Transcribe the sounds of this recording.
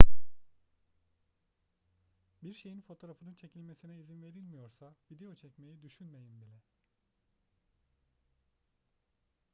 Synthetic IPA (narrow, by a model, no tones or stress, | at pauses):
biɾʃe̞jinfo̞t̪ʰo̞ɾafɯnɯnt͡ʃʰe̞cʰilʲme̞sinɛizinve̞ɾilʲmijo̞ɾsavid̪e̞jo̞t͡ʃʰɛcme̞jid̪yʃynme̞jimb̪ilʲɛ